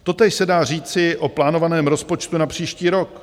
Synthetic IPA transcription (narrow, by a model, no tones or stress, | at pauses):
t̪o̞t̪ɛːʃsɛdaːr̝iːt͡sɪʔoplaːnovanɛːmɾo̞spo̞t͡ʃt̪unapr̝̥iːʃciːɾo̞k